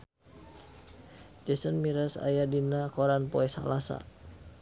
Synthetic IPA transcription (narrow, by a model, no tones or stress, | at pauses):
d͡ʒɛsənmiɾəsa̰jadinakɔɾanpɔɛsa̰lasa̰